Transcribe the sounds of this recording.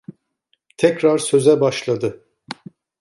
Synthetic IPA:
t̪ʰɛcɾaɾsø̞zɛbaʃlˠad̪ɯ

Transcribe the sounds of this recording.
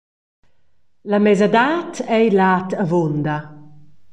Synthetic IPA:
lamɛzad̪aːt̪ɛjlaːt̪avond̪a

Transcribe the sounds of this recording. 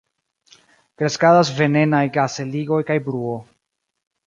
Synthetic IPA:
kɾe̞skadas̬ve̞ne̞najɡase̞liɡo̞jkajbɾuo̞

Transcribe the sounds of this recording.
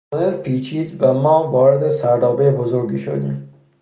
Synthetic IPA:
d̪eɾpʰiːt͡ʃʰiːd̪væmɒːvɒːɾed̪esæɾd̪ɒːbejbozoɾɡiːʃo̰d̪ḭːm

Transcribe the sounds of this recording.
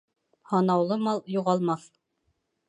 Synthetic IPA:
hɑnɑwlˠɤmɑlˠjuʁɑlˠmɑθ

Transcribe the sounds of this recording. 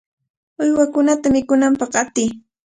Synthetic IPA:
ʊjwakʊnat̪amɪkʊnampɑχat̪ɪj

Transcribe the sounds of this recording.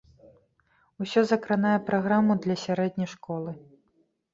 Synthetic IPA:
usʲɔzɐkɾanajɛpɾaɣɾamud̪lʲɐsʲaɾɛd̪ʲnʲɐjʂkɔlˠɨ

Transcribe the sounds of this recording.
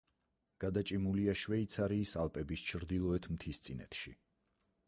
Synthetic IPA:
ɡ̥ad̪at͡ʃʼimuliaʃvɛit̪sʰaɾiːsalˠpʼɛbist͡ʃʰɾd̪ilˠɔɛt̪ʰmt̪ʰist̪sʼinɛ̰t̪ʰʃḭ

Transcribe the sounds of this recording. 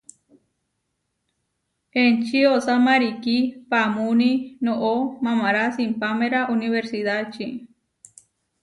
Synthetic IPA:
ent͡ʃiosamaɾikipamuninoʔomãmaɾasimpameɾaʔuniβeɾsiðat͡ʃi

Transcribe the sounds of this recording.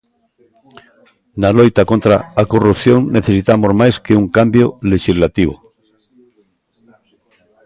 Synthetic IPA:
nalojt̪akont̪ɾa̰akorupθjõ̞ŋneθesit̪amozmajskeuŋkambjoleʃizlat̪iβ̞o̰

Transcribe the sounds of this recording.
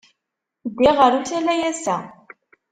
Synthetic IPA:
d̪iʁəɾuθælæjæsæ̰

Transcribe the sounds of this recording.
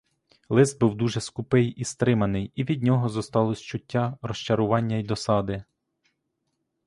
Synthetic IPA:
lˠɪzd̪̚buwd̪uʒɛskʊpɪjist̪ɾɪmɐnɪjiʋʲid̪ʲnʲɔɦɔzɔst̪ɑlˠɔsʲt͡ʃʊtʲːarɔʃt͡ʃɐɾʊʋɑnʲːɐid̪ɔsɑd̪ɪ

